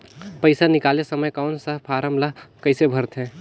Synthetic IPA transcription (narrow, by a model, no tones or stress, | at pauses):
pəɪsanɪkaːlesəməjkawʊnsəɦpʰaːɾəmblaɦkɐɪsebʱəɾt̪ɦɛ̃ː